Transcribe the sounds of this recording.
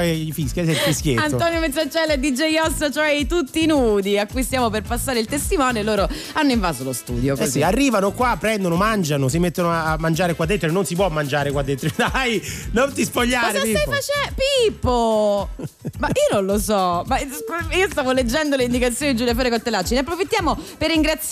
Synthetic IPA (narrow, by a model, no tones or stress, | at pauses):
ifiskasɛlfiskʲjetanoɔːnjomet̪sːat͡ʃːɛlːed̪id͡ʒejɔsːat͡ʃoɛit̪ut̪ːinuːd̪iakːujst̪jaːmoperpasːaːɾeilt̪est̪imɔːnjoelːoːɾo | anːoiɱvaːzolost̪ṵːd̪jokɛozsiarːiːvanokwapːɾɛnd̪onomand͡ʒanosimet̪ːonoaːmːand͡ʒaːɾekwad̪ːet̪ːɾononsip̬wɔmːand͡ʒaːɾekwad̪ːet̪ːɾod̪ajnont̪ispoʎːaːɾepiajfat͡ʃɛpipːo | maʔiːononlosɔmaskiːost̪aːvoled͡ʒːɛnd̪oleind̪ikat̪sːjoːniid͡ʒuljafoːɾekolt̪ːelːat͡ʃːineapːɾofit̪ːjaːmoperːiŋɡɾat̪s